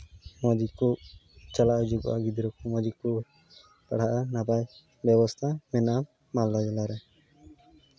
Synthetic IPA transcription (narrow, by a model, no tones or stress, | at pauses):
mɔd̪ikuʔt͡ʃalaʔud͡ʒuɡɔ̰ʔa̰ɡid̪iɾɔkɔmɔd͡ʒikuʔ | paɽ̤aʔanabaj | bjɛbɔst̪ʰamɛna | malːad͡ʒɔlaɾɛ